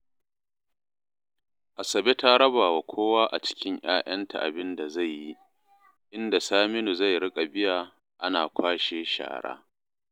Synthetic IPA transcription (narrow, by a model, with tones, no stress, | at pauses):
ʔa˨sɐ˨be˦ta˦ɽɐ˦baː˨wa˨kʷʰoː˦waː˦ʔa˨t͡ʃɪ̥˦kʲɪ˦ɲʔj̰aː˦ʔɐ˦ntʰa̰˨ʔa̰˨bɪ˦nda˨za˦˨jːi˦ | ʔɪ˦nda˨saː˦mɪ˦nu˨za˦˨jɽɪ˦kʼa˨bɪ˦jaː˨ | ʔa˦naː˨kʷʰaː˦ʃeː˦ʃa̰ː˨ɽa̰ː˦